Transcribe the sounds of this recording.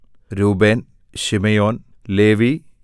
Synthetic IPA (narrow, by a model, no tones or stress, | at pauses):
ɾuːbeːn | ɕimɐjoːn | leːʋi